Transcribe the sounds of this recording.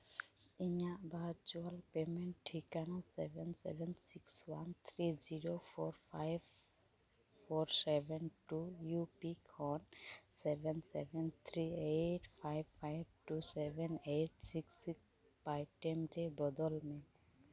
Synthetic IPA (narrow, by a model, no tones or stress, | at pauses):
iɲaʔbaɾt͡ʃualpemeɳʈʈʰːikanasɛbʱɛnsɛ̰bʱɛnsikswant̪ʰɾid͡ʒiɾopʰɔɾpʰajb | fɔɾsebɛnʈujupikʰɔnsɛbʱɛnsḛbɛnt̪ʰɾieʈpʰajbpajb̚ʈusɛbʱɛneʈ̚siksiks | pajʈɛmɾebɔd̪ɔlme